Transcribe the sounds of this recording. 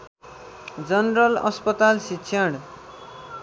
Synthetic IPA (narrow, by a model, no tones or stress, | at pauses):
d͡zʌnrʌlʌ̰spʌt̪alsikːsʰaɽ